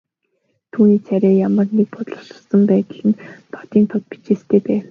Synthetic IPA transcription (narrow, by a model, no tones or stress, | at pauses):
t̪ʰuːniːt͡sʰæɾʲæːjamə̆rnek̚pɔt̪̆ɮə̥̆sə̥̆sə̆mpæːt̪ə̆ɮɘ̆nt̪ʰɔ̥t̪iːnt̪ʰɔt̪̚pi̥t͡ɕeːst̪ʰeːpæːw